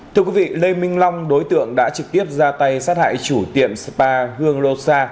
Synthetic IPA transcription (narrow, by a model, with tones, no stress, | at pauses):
t̪ʰɨ˧əkwi˨˦vḭ˧˨lə˧jmï˧ŋ̟la˧wŋ͡mɗo˨˦jt̪ɨ̰˧˨əŋɗa̰ː˧˥t͡ɕɨ˨˩k̚t̪i˦˥əp̚zaː˧t̪a˧jsaː˦˥t̚ha̰ː˧˨jt͡ɕu˧˩t̪ḭ˧˨əmspaː˧hɨ˧əŋlo˧saː˧